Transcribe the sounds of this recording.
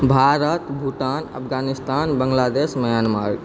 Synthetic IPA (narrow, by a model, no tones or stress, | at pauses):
bʱaɾət̪bʱuʈanə̰pʰɡanist̪anbəŋɡlad̪esməjanma̰ɾɡ